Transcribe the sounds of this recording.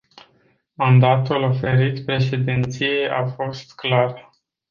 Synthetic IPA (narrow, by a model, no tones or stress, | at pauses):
mand̪at̪ulo̞fe̞ɾit̪pɾe̞ʃe̞d̪int̪sije̞jʔafo̞st̪klar